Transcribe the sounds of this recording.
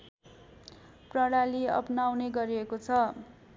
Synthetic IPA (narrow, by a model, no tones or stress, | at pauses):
prʌɽaliʌ̰pnawneɡʌɾiekot͡sʰʌ